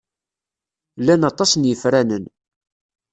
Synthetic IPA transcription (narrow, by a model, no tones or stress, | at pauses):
lːænɑt̪ˤɑsnjəfɾænən